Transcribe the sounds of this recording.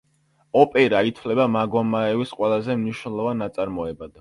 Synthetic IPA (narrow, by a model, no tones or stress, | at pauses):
ɔpʼɛɾait̪ʰvlɛbamaɡɔmaɛvisqʼwɛlˠazɛmniʃnɛlˠɔvanːat̪sʼaɾmɔɛbad̪̥